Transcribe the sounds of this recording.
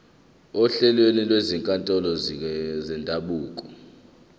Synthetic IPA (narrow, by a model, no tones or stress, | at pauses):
ɔɬɛlwenilweziŋkʼantʼɔlɔzɛndʱaɓuːkʼɔ